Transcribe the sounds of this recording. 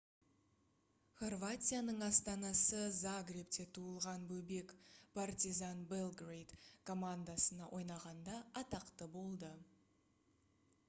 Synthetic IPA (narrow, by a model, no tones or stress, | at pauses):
χo̞rvat̪ʲijanəɴɑst̪ɑnɑsəzaɡɾept̪e̞t̪ʰuəlˠʁɑnbɵbe̞kpʰart̪ʲizanbelˠɡrejt̪kʰo̞mand̪asənɑʔo̞jnɑʁɑnd̪ɑːt̪ɑqt̪əbo̞lˠd̪ə